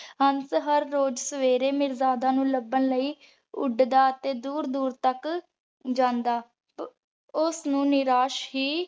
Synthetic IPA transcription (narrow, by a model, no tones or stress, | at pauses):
ɦənsɦəɾːoːd͡ʒsəʋeːɾeːmɪɾzaːd̪aːnũːləbənləiː | ʊɖd̪aːət̪eːd̪uːɾd̪uːɾt̪ək | d͡ʒãːnd̪aː | ʊsnũːnɪɾaːʃɦiː